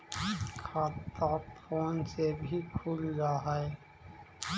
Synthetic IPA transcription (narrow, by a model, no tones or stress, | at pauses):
kʰaːt̪ːaːfoːnsebʱikʰuːlɾaɦe